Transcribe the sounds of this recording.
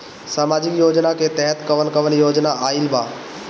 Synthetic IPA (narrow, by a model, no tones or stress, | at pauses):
saːmaːd͡ʒɪkjoːd͡ʒnaket̪ɛɦət̪kəʋənkəʋənjoːd͡ʒnaaːɪlbaː